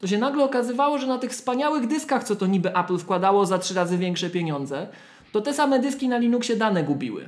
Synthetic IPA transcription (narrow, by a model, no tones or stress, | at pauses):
t̪ɔɕ̬ɛnaɡlɛɔkazɘvawɔʐɛnat̪ɘxfspaɲawɘɣd̪ɘskaxt̪sɔt̪ɔɲibɘʔaplfkwad̪awɔzatʂɘɾazɘvʲjɛŋkʂɛpʲjeɲɔnd̪zɛ | t̪ɔt̪ɛsamɛd̪ɘskʲinalʲinukɕɛd̪anɛɡubʲḭwɘ̰